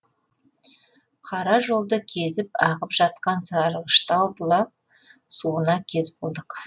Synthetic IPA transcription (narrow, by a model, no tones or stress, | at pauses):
qʰɑɾɑʒo̞lˠd̪əkʲʰe̞zɪpɑʁəpʒɑt̪qɑnsɑɾəʁəʃt̪ɑwbʊlˠɑp̚ | suənɑkʲʰe̞zbo̞lˠd̪əq